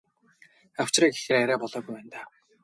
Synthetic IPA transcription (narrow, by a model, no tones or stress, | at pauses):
aw̥t͡ɕraːɡe̥xeɾaɾæːpɔɮɔːɣujpæːnt̪aː